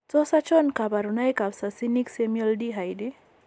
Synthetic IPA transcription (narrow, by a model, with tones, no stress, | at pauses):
tɔ˦sa˦t͡ʃɔ˦nka˨ba˨ɾu˨na˦jka˨bsa˨si˦ni˦ksemiɔ˦ldiɦa˨jdi˦